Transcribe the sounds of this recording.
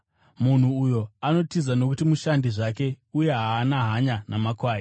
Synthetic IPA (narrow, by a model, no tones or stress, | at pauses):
mun̤uːjo̞ano̞tizano̞kutimuʃandiʐake̞ | uje̞ɦaːnaɦaɲanamakwaːji